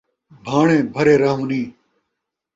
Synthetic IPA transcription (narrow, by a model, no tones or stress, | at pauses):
bʱaːɳẽːbʱəɾeːɾaːɦũːnĩː